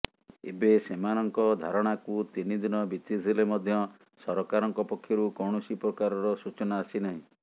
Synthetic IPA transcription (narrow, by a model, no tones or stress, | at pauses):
ḛbesemanɔŋkɔd̪ʱaɾɔɽ̃akut̪inid̪inɔbit̪it̪ʰilemɔd̪ʱjɔ | sɔɾɔkaɾɔŋkɔpɔkʰːjɔɾukɔwɽ̃ɔsipɾɔkaɾɔɾɔsut͡ʃɔnaːsinaɦĩ